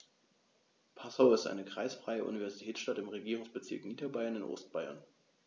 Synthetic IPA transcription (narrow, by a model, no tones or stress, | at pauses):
pʰasaʊɪstʔa̰ɪnəkʁ̥a̰ɪsfʁ̥aɪəʔṵnivɛɐzitʰɛːt͡ssʃtatɪmʁeɡiːʁʊŋsb̥ət͡sɪɐkniːdɐbaɪɐnɪnʔo̰ːst̚b̥aɪɐ̰n